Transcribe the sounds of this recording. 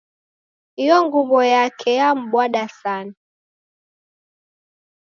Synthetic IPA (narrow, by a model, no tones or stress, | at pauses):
hijɔŋɡuβɔjakʰɛjam̩ɓwaɗasana